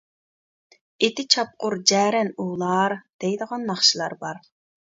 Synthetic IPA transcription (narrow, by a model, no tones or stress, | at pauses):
et̪ʰɪt͡ʃʰɑp̚qʊɾd͡ʒɛːɾɛnulˠɑɾd̪̥ɛjd̪əʁɑnːɑχʃilˠɑɾbɑɾ